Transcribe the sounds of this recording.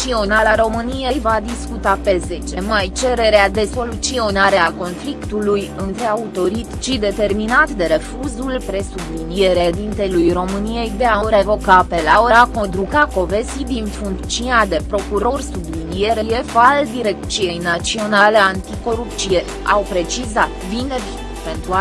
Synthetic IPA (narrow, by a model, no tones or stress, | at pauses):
t͡ʃio̞nalaɾo̞mɨnije̞jvad̪iskut̪ape̞ze̞t͡ʃe̞majt͡ʃe̞ɾe̞ɾead̪e̞so̞lut̪sio̞naɾe̞ako̞nflikt̪ulujɨnt̪ɾe̞aut̪o̞ɾit̪t͡ʃid̪e̞t̪e̞rminat̪d̪e̞ɾe̞fuzulpɾe̞sublinije̞ɾed̪int̪e̞lujro̞mɨnije̞jd̪e̞aɾe̞vo̞kape̞laoɾako̞nd̪ɾukako̞ve̞sid̪infuŋk̪t͡ʃinad̪e̞pɾo̞kuɾo̞rsublinije̞ɾeje̞fald̪iɾe̞k̚t̪sije̞jnat͡ʃsio̞naleant̪iko̞ɾupt̪sije̞ | a̰wpɾe̞t͡ʃizat̪vinevi | pe̞nt̪ɾua